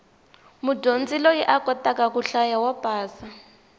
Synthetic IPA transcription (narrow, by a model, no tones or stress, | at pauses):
mudond͡zilɔjiʔakɔtakakuɬajawapaːsa